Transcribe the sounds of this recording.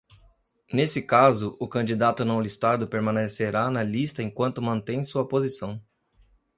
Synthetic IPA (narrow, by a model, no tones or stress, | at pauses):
nesɪkazʊʔʊkɐ̃d͡ʒid̪at̪ʊnɐ̃w̃list̪ad̪ʊpeɾmɐ̃neseɾanɐlist̪ɐẽkwɐ̃nt̪ʊmɐ̃nt̪ẽj̃suɐpozisɐ̃w̃